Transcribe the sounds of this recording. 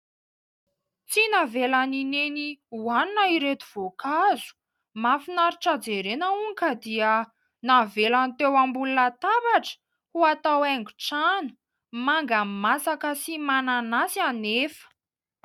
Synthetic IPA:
t͡sinavelanineniuaninaiɾet̪uv̥okazu̥ | mafinaɾiʈ͡ʂad͡zeɾenəuŋkəd̪iə | navelanit̪ewambulunat̪abaʈ͡ʂə̥ | huat̪aweŋɡu̥ʈ͡ʂanu̥ | maŋɡamasakəsimananasianefə̥

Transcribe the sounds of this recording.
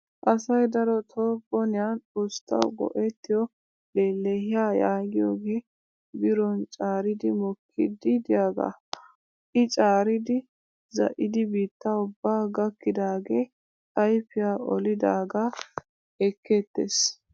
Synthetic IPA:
ʔɐsɐjd̪ɐɾɔt̪ʰoːbɔnɪjant͡sʼoːst̪ːɐ̰wɡɔ̰ʔɛt̪ːɪjɔ | leːlːehɪjaːjaːɡɪjoːɡeː | bɪɾɔnt͡ʃʼaːɾɪd̪ɪmɔkʰːɪ̰d̪ɪd̪ɪjaːɡa̰ | ʔɪt͡ʃʼaːɾɪd̪ɪ | zɐ̰ʔɪd̪ɪbiːt̪ːaʊbːaːɡɐkːɪd̪aːɡeː | kɐjpːɪjaːɔ̰lɪd̪aːɡa | ɛkʰːeːt̪ːḛs

